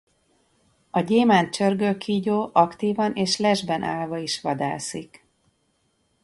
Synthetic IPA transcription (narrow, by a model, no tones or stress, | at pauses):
ɒɟeːmaːnt͡ʃørɡøkʰiːɟoːʔɒkt̪iːvɒnʔeːʃlɛʒbɛnʔaːlvɒiʃʋɒd̪a̰ːsik